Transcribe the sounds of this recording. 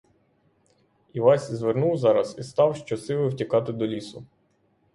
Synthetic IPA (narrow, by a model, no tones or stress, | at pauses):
iʋɑsʲizʋernuwzɑɾɐsist̪ɑwʃt͡ʃɔsɪlˠɪwtʲikɑt̪ɪd̪ɔlʲisʊ